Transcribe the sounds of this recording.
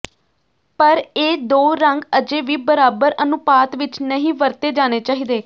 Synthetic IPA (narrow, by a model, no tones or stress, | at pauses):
pəɾeːd̪oːɾəŋɡəd͡ʒeːʋiːbəɾaːbəɾənʊpaːt̪ʋɪt͡ʃnəɦĩːʋəɾt̪eːd͡ʒaːneːt͡ʃaːɦiːd̪eː